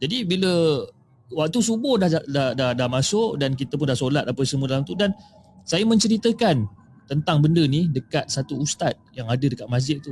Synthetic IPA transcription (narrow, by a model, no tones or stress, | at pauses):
d͡ʒadibilə | wak̚t̪usubʊhdahadahdahdahmasʊʔdank̬it̪əp̬ʊndahsolat̪̚apəsəmũədalamt̪udan | sajamə̃ɲt͡ʃəɾit̪əkan | t̪ənt̪aŋbəndənidəkat̪̚sat̪uːst̪at̪̚jaŋadədəkat̪̚mazɪʔ̚t̪u